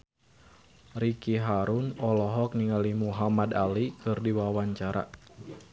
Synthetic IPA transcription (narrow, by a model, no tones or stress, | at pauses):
rikiɦaɾunɔlɔɦɔk̚niŋalimuɦamadalikɨrdiwawaɲt͡ʃaɾa̰